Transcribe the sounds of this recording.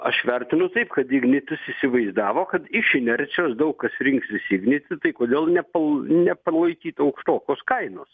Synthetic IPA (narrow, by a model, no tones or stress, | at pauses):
ɐ̰ʃʋʲɛɾʲt̪ʲɪnʊt̪ɐɪpkɐt̪ɪɡnʲɪt̪ʲɪsisʲɪʋɐɪzd̪ɑːʋoːkɐt̪ɪʃɪnʲɛɾʲt̪t͡ssʲɪjoːsd̪ɐʊkkːɐsɾʲɪŋksʋʲɪsʲɪɡnʲɪt̪ʲɪt̪ɐɪkoːd̪ʲeːlˠnʲɛpɐnʲɛpɐlˠɐɪkʲiːt̪ɐʊkʃt̪oːkʲoːskɐɪnoːs